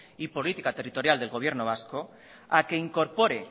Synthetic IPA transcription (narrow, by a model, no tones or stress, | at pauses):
ipo̞lit̪ikat̪erit̪o̞ɾjald̪elɣ̞o̞β̞je̞ɾnoβ̞asko̞ | ake̞iŋko̞ɾpo̞ɾe